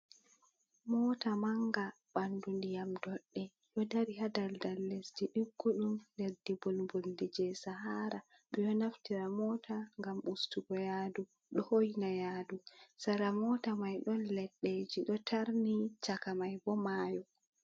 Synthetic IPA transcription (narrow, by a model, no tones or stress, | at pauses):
mɔːtamaŋɡa | b̥andundijamdɔɗːɛ | jɔdaɾiɦadaldalːesdiɗiɡːuɗumdeɾdibɔlboldid͡ʒɛsaɦaɾa | ɓɛjɔnaftiɾamɔːtʰaŋɡamʔustuɡɔjadu | ɗɔhojnajaːdusaɾamɔtamajɗɔnlɛɗːed͡ʒiɗɔtʰaɾnit͡ʃakamajbɔmaːjɔ